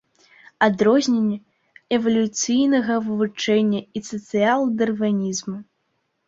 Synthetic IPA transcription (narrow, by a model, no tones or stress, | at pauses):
ad̪ɾɔzʲnʲenʲːɛ | ɛvɐlʲut̪sɨjnɐɣɐvɨvut͡ʂɛnʲːɐisɐt̪sɨalˠd̪ɐrvanʲizmu